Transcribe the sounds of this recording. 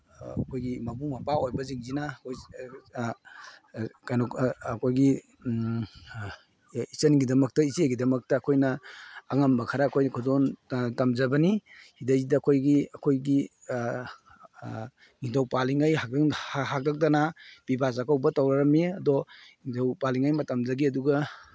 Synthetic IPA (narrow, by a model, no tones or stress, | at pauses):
ɐkʰojɡimabumapaojbɐziŋzinakoj | kajnɔkɐkʰojɡi | isənɡidɐmɐk̚tɐiseɡidɐmɐk̚tɐːkʰojnɐːŋambɐkʰaɾaːkʰojnɐkʰɔdɔntamzɐbɐnihidazidɐːkʰojɡiɐkʰojɡi | ŋidowpaliŋajɦaɦak̚dak̚danab̥ibas̬akʰawbɐtawɾaɾɐmiɐdɔŋidowpaliŋajmɐtɐmzɐɡiɐduɡa